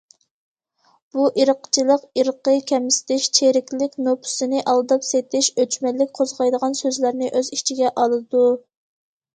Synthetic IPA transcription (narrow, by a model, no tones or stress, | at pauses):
b̥uʔiɾəqt͡ʃʰilˠəqiɾəqəkʲʰɛmsɪ̥t̪ɪʃt͡ʃʰeɾɪkʲlɪkʲnopʰʊ̥sɨnɪʔɑlˠɨd̪ɑpset̪ʰɪʃøt͡ʃmɛlːɪk̚ʲqʰozʁɑjd̪əʁɑnsøzlæɾnɪʔøzit͡ʃʰiɡʲɛʔɑlˠɨd̪u